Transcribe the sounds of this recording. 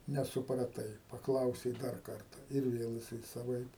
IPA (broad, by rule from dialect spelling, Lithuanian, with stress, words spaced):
nʲɛsʊprɐˈtɐɪ pɐˈklˠɐʊsʲɛɪ ˈdɐr ˈkɐrtɐ ɪr ˈʋʲeːlˠ jɪˈsɐɪ sɐˈʋɐɪp